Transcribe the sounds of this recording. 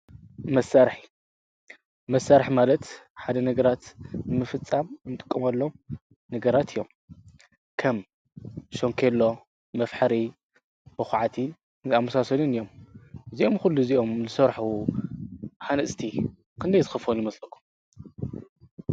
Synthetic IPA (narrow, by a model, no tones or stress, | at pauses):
mɐsaɾħi̥ | mɐsaɾħmalɐt̪ħad̪ɐnɐɡɐɾat̪nɨmɨfɨt͡sʼːamɨnt̪ʼɨ̥kʼːɐmɐlːom | nɐɡɐɾat̪ʰɨjːo̞m | kʰɐm | ʃoŋkʰelːo̞ | mɐfħɐɾi | b̥ɨxʕat̪ʰi | nzamɐsasɐlunɨjːo̞mziʔo̞mxulːuziʔo̞mzɨsɐɾħu | ħanɐsʼt̪ʰi | kʰɨnd̪ɐjzɨxɨfonjɪmɐslɐkʰːu̥m